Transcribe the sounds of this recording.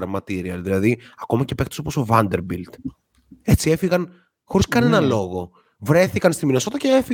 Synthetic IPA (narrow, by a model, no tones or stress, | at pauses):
ɾmɐt̪iɾiɐlðilɐðiɐko̞mɐcepkt̪o̥soposovɐnd̪e̞ɾbilt̪ | e̞t͡sie̞fiɣɐn | xo̞ɾiskɐnenɐlo̞ɣo̞ | vɾe̞θikɐnst̪iminoso̞t̪ɐceefi